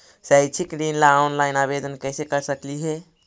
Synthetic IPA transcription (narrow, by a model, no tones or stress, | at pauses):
səjt͡ʃʰikɖinlaonlajnabed̪ənkəjsekəɾsəkliɦe